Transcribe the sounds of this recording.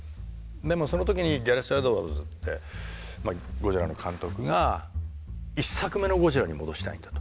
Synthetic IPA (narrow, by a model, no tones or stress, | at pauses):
d̪e̞mo̞so̞no̞t̪̬o̞kʲiɲ̟iɡʲaɾesad̪oβazɨt̪ːe̞maɡo̞ʑiɾano̞kʰãnt̪o̞kɯ̟ɡa | isːakɯ̟me̞no̞ɡo̞ʑiɾaɲ̟imo̞d̪o̞ɕi̥t̪a̰ĩnd̪̥ḁt̪o̥